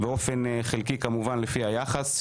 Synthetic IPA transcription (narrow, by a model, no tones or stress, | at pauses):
beo̞fe̞nχilkikamuvanlefihajaχas